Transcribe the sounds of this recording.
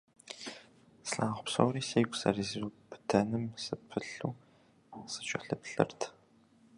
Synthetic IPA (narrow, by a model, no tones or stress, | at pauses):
sɬaːʁʷʊpso̰wriːseːɡʷʊsɐ̰rizubɨ̥tʰɐnɨmsɨpʰɨɬuː | sɨ̥t͡ʃʼɐɬɨpɬɨ̰rtʰ